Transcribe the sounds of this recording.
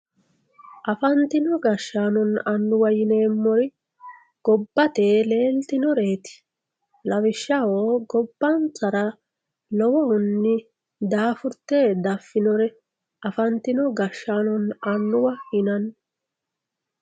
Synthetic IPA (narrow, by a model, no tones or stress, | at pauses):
ʔɐfɐnt̪ɪnɔɡɐʃːaːnɔnɐnːʊwɐjɪne̞ːmːɔɾɪ | ɡ̥ɔbːɐt̪eːle̞ːlt̪ɪnɔɾe̞ːt̪ɪ̥ | lɐwɪʃːɐwoːɡɔbːɐnt͡sɐɾɐ | lɔwɔhʊnːɪ | d̪aːfʊɾt̪ːeːd̪ɐfːɪnɔɾɛ | ʔɐfɐnt̪ɪnɔɡɐʃːaːnɔnɐnːʊwɐhɪnɐn